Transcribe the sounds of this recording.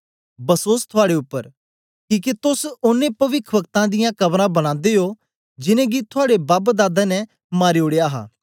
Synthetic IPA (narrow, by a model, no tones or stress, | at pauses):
bəsoːst̪ʰʊaːɽeʊpːəɾ | kiːket̪ʊsʊnːẽːpəʋɪkʰʋək̚t̪ãd̪ɪjãkɐbɾãːbəñãːnd̪eːɦoː | d͡ʒɪnẽːɡit̪ʰʊaːɽebaːbd̪aːd̪anɛ̃ | maːɾeoːɽeaːɦa̰ː